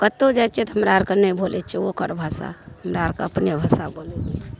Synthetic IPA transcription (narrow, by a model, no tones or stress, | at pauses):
kət̪od͡ʒajt̪ːt͡ʃʰɛt̪ɔɦəmɾaəɾkənəjbʱolɛt̪t͡ʃʰɛokəɾbʱasa̰həmɾaəɾkeəpnebʱasabʱolɛt̪t͡ʃʰɛ̥